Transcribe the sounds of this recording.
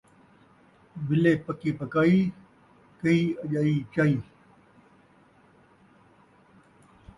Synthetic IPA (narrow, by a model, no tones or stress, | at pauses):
bɪleːpɐkiːpɐkaːiː | kɐiːɐʄaːiːt͡ɕaːiː